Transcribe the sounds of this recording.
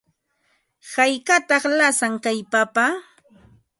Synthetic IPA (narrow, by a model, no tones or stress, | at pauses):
hajkat̪ɑχlasaŋkajpapa